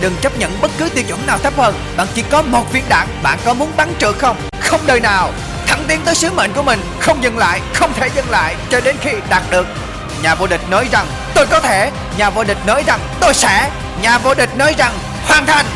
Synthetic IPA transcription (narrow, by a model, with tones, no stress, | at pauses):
ɗɨ˨˩ŋt͡ɕə˦˥p̚ɲə̰˧˨nɓə˦˥t̚kɨ˨˦t̪i˧˩t͡ɕə˧˩naː˨˩wt̪ʰə˦˥p̚hə˧˩nɓa̰ː˧˨nt͡ɕi˧˩kɔ˨˦mo˨˩t̚vḭ˧˩ənɗa̰ː˧˨ŋɓa̰ː˧˨nkɔ˨˦mu˨˦ənɓa˨˦nt͡ɕɨ̰˧˨xə˧wŋ͡m | xə˧wŋ͡mɗəː˧jnaː˨˩w | t̪ʰa˧˩ŋt̪i˨˦ənt̪əː˨˦jsɨ˨˦mḛ˧˨nku˧˩əmï˨˩ŋ̟xə˧wŋ͡mzɨ˨˧˩ŋla̰ː˧˨jxə˧wŋ͡mt̪ʰe˧˩zɨ˧˨ŋla̰ː˧˨jt͡ɕɔ˧ɗe˨˦nxi˧ɗaː˨˩t̚ɗɨ˨˩ək̚ | ɲaː˨˩vo̰˧˨ɗï˨˩k̟̚nɔ˨˦jza˨˩ŋ | t̪o˧jkɔ˨˦t̪ʰe˧˩ | ɲaː˨˩vo̰˧ɗï˨˩k̟̚nɔ˨˦jza˨˩ŋt̪o˧jsɛ̰˧˥ | ɲaː˨˩vo̰˧ɗï˨˩k̟̚nɔ˨˦jza˨˩ŋ | hwaː˨˧˩nt̪ʰa˧jŋ